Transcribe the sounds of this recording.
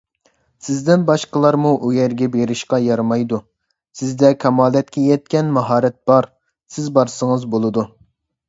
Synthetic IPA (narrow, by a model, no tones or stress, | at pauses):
sɪzd̪ɪnbɑʃqəlˠɑɾmuʔujɛɾɡʲɛbeɾɪʃqɑjɑɾmɑjd̪u | sɪzd̪ɛkʲʰɑmɑːlˠɛt̪kʲɛjɛt̪̚kʲɛnmɑɦɑːɾɛt̪̚b̥ɑɾ | sɪzbɑɾsəŋɨzbolˠɨd̪u